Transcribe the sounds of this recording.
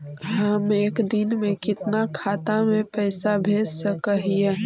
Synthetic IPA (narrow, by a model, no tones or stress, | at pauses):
ɦəmeːkd̪inmekɪt̪nakʰat̪amepəɪsabʱessəkəɦije